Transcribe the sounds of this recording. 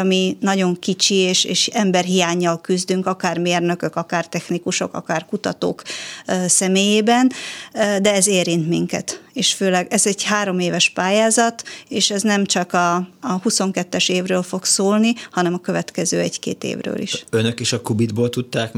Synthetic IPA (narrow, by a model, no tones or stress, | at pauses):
minɒɟo̞ŋkit͡ʃieːʃeːʃɛmbɛrɦijaːɲːɒlkyzd̪yŋkɒkaːrmeːrnøkøkɒkaːrt̪ɛxnikuʃo̞kɒ̰kaːrkut̪ɒt̪o̰ːksɛmeːjeːbɛnd̪ɛɛzeːɾint̪miŋkɛ̰t̪eːʃføːlɛɡɛzɛɟhaːɾo̞meːvɛʃpaːjaːzɒt̪eːʃɛznɛmt͡ʃɒkɒːhuso̞ŋkɛt̪ːɛʃeːvrøːlfo̞ksoːlnihɒnɛmɒkø̞vɛt̪kɛzø̰ːɛɟkḛːt̪ḛːvrø̰ːlḭʃønøkeːʃɒkubid̪boːlt̪ut̪ːaːk